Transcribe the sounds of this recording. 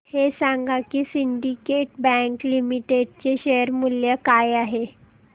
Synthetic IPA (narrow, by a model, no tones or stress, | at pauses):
hesãŋɡakisiɳɖikeʈbɛ̃ŋklimiʈeɖ̚t͡ɕeɕejəɾmuljəkajaɦe